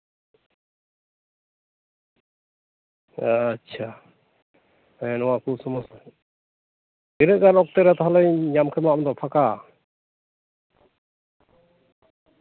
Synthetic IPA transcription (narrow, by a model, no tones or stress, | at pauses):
tːt͡ʃʰa | ɛnɔwakusɔmɔs | ɛɾɛɡaɾɔk̚t̪ɛɾat̪ɦalɔjɲamkʰɛmamd̪ɔpʰaka